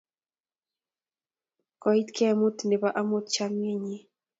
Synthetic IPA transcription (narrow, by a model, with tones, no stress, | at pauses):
kɔ˨i˦t̪kʰɛ˦˨mʊ˦t̪nɪ˨ba˦ʔa˦mʊ˦t̪t͡ʃa˦m˦e˦ɲe˦